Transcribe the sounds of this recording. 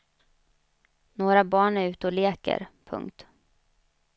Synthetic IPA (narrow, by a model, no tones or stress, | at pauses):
noːɾabɑːɳæɾʉ̟ːt̪əɔleːkə̰ɾpʰɵ̰ŋkt̪